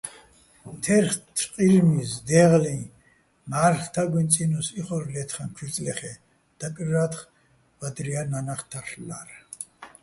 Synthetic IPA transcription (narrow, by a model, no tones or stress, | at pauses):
t̪ʰɛɾχt̪ʰqʼilmisd̪ɛʁlĩ | maɾχt̪ʰaɡʷint͡sʼinɔsiχɔɾlɛt̪ʰχamt͡ʃʰit͡sʼlɛχɛ | d̪̥akʼrɾat̪χ | vad̪ɾiananaχt̪ʰaɬla̰ɾ